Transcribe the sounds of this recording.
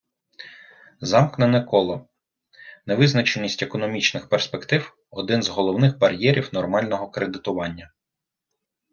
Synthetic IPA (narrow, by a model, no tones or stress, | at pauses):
zɑmknɐnekɔlˠɔ | neʋɪznɐt͡ʃenʲːisʲtʲekɔnɔmʲit͡ʃnɪxperspe̞kt̪ɪw | ɔd̪ɪnzɦɔlˠɔwnɪxbɐɾjɛɾʲiwnɔrmɑlʲnɔɦɔkɾed̪ɪt̪ʊʋɑnʲːɐ